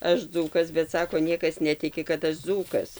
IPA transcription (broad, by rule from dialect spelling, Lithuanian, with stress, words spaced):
ˈɐʃ ˈd͡zuːkɐs bʲɛt ˈsɑːkoː ˈnʲiɛkɐs ˈnʲæːtʲɪkʲɪ kɐt ˈɐʃ ˈd͡zuːkɐs